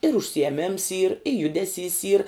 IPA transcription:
ɪr ʊʃʲsʲɪjɛˈmʲɪms iːr ɪ ˈjʊdʲɛˌsʲiːs iːr

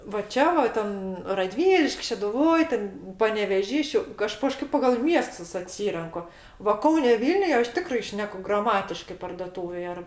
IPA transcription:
ʋɐ ˈt͡ʃʲɛ ʋɐ ˈtʲɛn rɐˈdʲʋʲiːlʲɪʃʲkʲ ʃʲɛdʊˈʋoːj tʲɛn pɐnʲɛʋʲɛˈʒʲiː ˈʃʲɛʊ ˈɐʃ kɐˈʃkɐɪp pɐɡɐlˠ ˈmʲiɛstʊs ɐˈtʲsʲiːrʲɛŋkʊ ʋɐ ˈkɐʊnʲɛ ˈʋʲiːlʲnʲʊj ˈɐʃ ˈtʲɪkrɐɪ ˈʃʲnʲæːkʊ ɡrɐˈmɑːtʲɪʃkɜ pɐrdoːˈtuːʋʲeːj ɐr

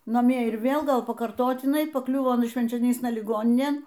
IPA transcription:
nɐˈmʲiɛ ɪr ˈʋʲeːlˠ ˈɡɐlˠ pɐkɐrˈtoːtʲɪnɐɪ pɐˈklʲʊʋoː ɐˈnɐ ʃʲʋʲɛnʲt͡ʃʲoːˈnʲiːsnɐ lʲɪˈɡoːnʲɪnʲeːn

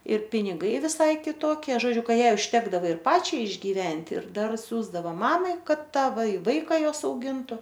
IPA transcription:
ɪr pʲɪnʲɪˈɡɐɪ ʋʲɪˈsɐɪ kʲɪˈtoːkʲiɛ ʒoːˈd͡ʒʲʊ ˈkɑː ˈjɛɪ ʊʃʲˈtʲæːɡdɐʋɐ ɪr ˈpɑːt͡ʃʲɛɪ ɪʒʲɡʲiːˈʋʲɛnʲtʲɪ ɪr ˈdɐr ˈsʲuːzdɐʋoː ˈmɑːmɐɪ ˈkɐt ˈtɑː ʋɐɪ ˈʋɐɪkɐ ˈjoːs ɐʊˈɡʲɪntʊ

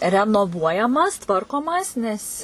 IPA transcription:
rʲɛnoːˈʋuɔjɛmɐs ˈtʋɐrkoːmɐs nʲɛs

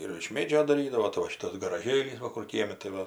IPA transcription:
ɪr ɪʃ ˈmʲeːd͡ʒʲoː dɐˈrʲiːdɐʋoː tɐɪ ʋɐ ˈʃʲɪtɐs ɡɐrɐˈʒʲeːlʲiːs ˈʋɐ ˈkʊr ˈkʲiɛmʲɪ tɐɪ ˈʋɐ

